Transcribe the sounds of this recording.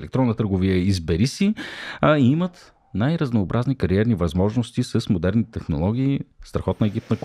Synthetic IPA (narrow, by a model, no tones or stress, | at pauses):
lɛk̚t̪ɾɔnːət̪əɾɡovijəizbɛɾisi | iimət̪ | najɾəznoːbɾʔaznikɐɾiɛɾnivɐzmɔʒnost̪isəsmod̪ɛɾnit̪ɛt̪ɛxnolˠɔɡ̟ʲiːst̪ɾɐxɔt̪nəɛɡʲip̚nək